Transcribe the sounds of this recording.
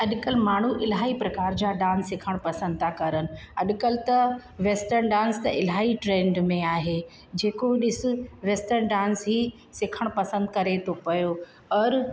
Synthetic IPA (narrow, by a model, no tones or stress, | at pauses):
ɐɗkəlmaːɳ̤uʔɪlɦaːipɾɐkaːɾd͡ʑaɖãːnsːɪkʰəɽ̃pɐsə̃nd̪̚t̪ʰãkɐɾənɪ̆ɐɗkəlt̪ɐʋeːsʈəɾnɖãːnst̪ɐ̰ʔɪlɦaːiʈɾẽːɳɖmẽaːɦe | d͡ʑeːkoɗɪsʊ̆ʋeːsʈəɾnɖãːnsɦi | sɪkʰəɽ̃pɐsə̃nd̪̚kɐɾet̪ʰopɐjo | ɐɾ